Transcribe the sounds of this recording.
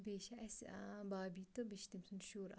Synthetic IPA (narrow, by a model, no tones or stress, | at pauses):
beːʃɐɐsbaːbiːt̪obiʃt̪imsunʃuːɾ